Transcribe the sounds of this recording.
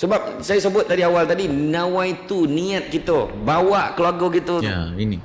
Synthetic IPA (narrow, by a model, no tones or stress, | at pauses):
səbap̚sajasəbʊt̪̚ːadiawalt̪adinawait̪uniat̪̚kit̪əbawaʔkəluaɡɔkit̪ua̰ini